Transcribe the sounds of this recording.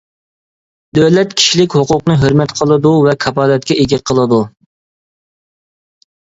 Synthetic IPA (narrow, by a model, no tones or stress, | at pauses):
d̪øwlɛt̪kʲʰi̥ʃilɪkʲhoqʊqnɨɦøɾmɛt̪qʰəlˠɨd̪uvɛkʰɑpɑːlɛt̪̚kʲɛeɡʲɛqʰəlˠɨd̪u